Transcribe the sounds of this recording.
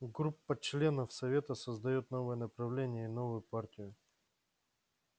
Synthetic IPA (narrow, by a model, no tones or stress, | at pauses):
ɡɾupːət͡ɕlʲe̞nəfsɐvʲe̞t̪əsəzd̪ɐjot̪no̞vəjənəpɾɐvlʲenʲɪjəɪno̞vʊjʊpartʲɪjʊ